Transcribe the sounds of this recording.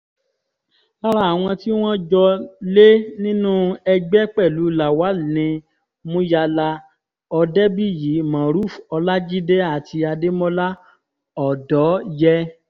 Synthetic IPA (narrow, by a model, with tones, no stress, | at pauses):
a˧ɾa˦˨a˨w̃ɔ̃˧ti˦w̃ɔ̃˦d͡ʒɔ˧le˦nĩ˦nũ˦ɛ˧ɡ͡bɛ˦k͡pɛ˦˨lu˨˦la˨wa˨˦nĩ˧ | mũ˦ja˧la˧ | ɔ˧dɛ˦bi˦˨ji˨˦mã˨ɾu˦˨fɔ˧la˦d͡ʒi˦dɛ˦a˦˨tʰi˧a˧de˦mɔ̃˦la˦ | ɔ˨dɔ˨˦jɛ˧˦